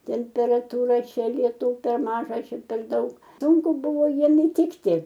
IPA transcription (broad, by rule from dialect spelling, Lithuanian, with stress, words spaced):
tʲɛmʲpʲɛrɐtʊˈrɐ ˈt͡ʃʲɛ lʲiɛˈtuː pʲɛr ˈmɑːʒɐ ˈt͡ʃʲɛ pʲɛr ˈdɐʊk ˈsuːŋkʊ ˈbʊʋoː ˈjiɛm ɪˈtʲɪktʲɪ